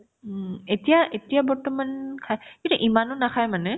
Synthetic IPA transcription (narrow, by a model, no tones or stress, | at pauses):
etijaʔetijabɔɹtɔmankʰajkintuʔimanʊnakʰajmanɛ